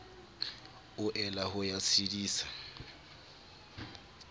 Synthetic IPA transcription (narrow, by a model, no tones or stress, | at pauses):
ʊʔɛlaɦʊjasidiːsḁ